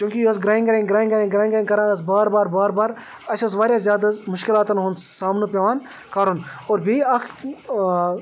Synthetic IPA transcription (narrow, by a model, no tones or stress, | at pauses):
t͡ʃjũːkʲijoɐs̬ɡɾaːĩŋɡɐɾẽɡɾaːĩŋɡɐɾẽŋɡɾaːĩŋɡɐɾ̃ŋkɐɾãːɐs̬baːɾbaːɾbaːɾbaːɾ | ɐʃɐsʋaːɾjaːzjaːd̪ɐzmʊʃkɪlaːt̪ɐnɦonsaːmnupʲeʋaːn | kɐɾonoːɾbʱiɐkʰ